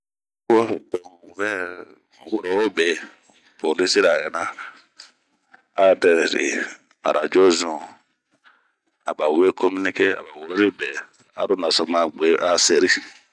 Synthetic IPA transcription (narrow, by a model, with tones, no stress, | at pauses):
ɔ˦dɔ̃˨u˨vɛ˦ | wo˨ɾɔ˨wo˦bɛ˨ | po˨li˦si˦ɾa˨kɛ˨na˦ | a˦dɛ˨ɾɛ˨ɾḛ˨ | ma̰˨ɾʔa˨d͡ʒɔ˦zɔ̃˨ | a̰˨ba˨we˦kɔ˦mi˦ni˦ke˦a̰˨ba˨wo˨ɾɔ˦ɾe˦bɛ˨ | a̰˦ɾo˦na˨sɔ˨ma˨ɡ͡be˨ʔa˨se˨ɾi˦